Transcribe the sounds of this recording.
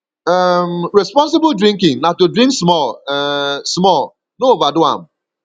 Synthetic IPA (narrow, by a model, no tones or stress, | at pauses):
əmɾespɔ̃ns̬ɪbldɾĩŋkɪ̃ŋnatudɾĩŋksmɔl | smɔl | noovadʊa̰m̩